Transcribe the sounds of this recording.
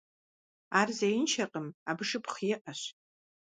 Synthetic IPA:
arzejɪnt͡ʃʰaqʼəmabʂɨpχjɪʔaɕ

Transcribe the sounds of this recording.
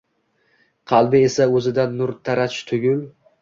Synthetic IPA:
qʰɑlˠbɪesaɵzɪd̪anːʊɾt̪ʰaɾat͡ʃt̪ʰʊɡʲʊl

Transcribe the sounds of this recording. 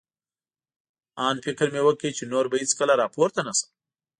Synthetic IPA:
ɑnfɪkɾmewəkit͡ʃenoɾbahit͡skəlaɾɑpoɾt̪anasə̥

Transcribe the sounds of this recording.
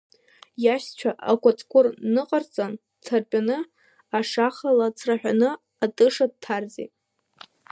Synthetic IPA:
jaʃt͡ɕʷʰaʔakʷʰʼat͡sʼkʷʰʊrnɨqʼart͡sʼan | tʰarpʼanɨ | aʂaχalat͡sʰraħᶣanɨ | atʼɨʂad̚tʰarzḛ

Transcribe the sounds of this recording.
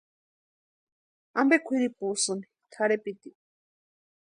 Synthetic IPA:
ambekʷʰiɾipusɨni | t̪ʰaɾepit̪i

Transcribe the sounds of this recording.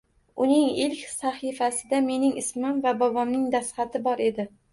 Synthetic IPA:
ʊnɪŋɪlkʲsaχifasɪd̪ame̞nɪŋɪsmɪmvabɒbɒmnɪŋd̪asχɑt̪ʰɪbɒɾe̞d̪ɪ

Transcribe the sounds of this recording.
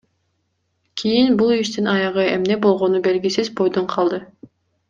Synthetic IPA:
kʲʰijinbulˠiʃt̪inɑjɑʁɯe̞mne̞bo̞lˠʁo̞nube̞lɡisizbo̞jd̪oɴqʰɑlˠd̪ɯ

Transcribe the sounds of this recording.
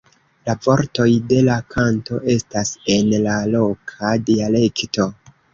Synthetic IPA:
lavo̞ɾto̞jde̞lakʰanto̞ʔe̞stase̞nlalo̞kʰadiale̞kto̞

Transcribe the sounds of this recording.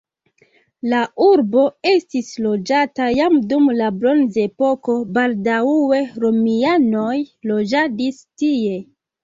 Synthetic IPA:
laʔuɾbo̞e̞stislo̞d͡ʒatajamdumlabɾo̞nze̞po̞ko̞baldauwe̞ɾo̞miano̞jlo̞d͡ʒadistie̞

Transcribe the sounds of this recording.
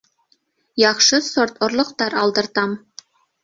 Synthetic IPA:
jɑχʃɤsort̪ŏrlˠŏqt̪ɑɾɑlˠd̪ɤ̆ɾt̪ɑm

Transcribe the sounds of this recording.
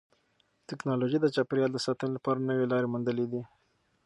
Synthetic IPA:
t̪ɪknɑloʒid̪ət͡ʃɑpɾjɑld̪əsɑt̪ənolapɑɾanəwelɑɾemund̪əled̪i

